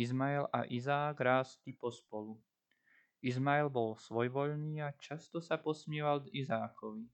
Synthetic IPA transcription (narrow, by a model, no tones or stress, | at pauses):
izmaɛla̰ʔizaːɡɾaːst̪ipɔspɔlu | izmaɛlbɔlsʋɔjʋɔʎniːat͡ʃast̪ɔsapɔsmɪɛʋald̪izaːkʰɔʋi